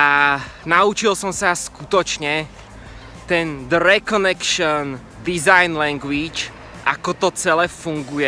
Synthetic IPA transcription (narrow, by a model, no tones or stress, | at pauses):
ʔanaut͡ʃilsɔmsaskut̪ɔt͡ʃɲɛ | t̪ɛnd̪əɾɛkɔnɛkʃɔn | d̪izajnlɛŋɡʋit͡ʃ | ʔa̰kɔt̪ɔt͡sɛlɛːfuŋɡujɛ